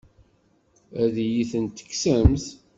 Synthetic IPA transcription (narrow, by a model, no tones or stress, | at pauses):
æðjiθənt̪ːə̥kːsæmθ